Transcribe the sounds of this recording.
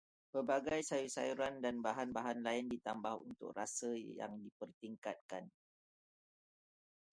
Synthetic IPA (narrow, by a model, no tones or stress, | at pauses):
pəbaɡajsajusajuɾandanbaɦanbaɦanlaɪndit̪ambahunt̪ʊ̰k̚rasəja̰ŋdipərt̪iŋkat̪̚kan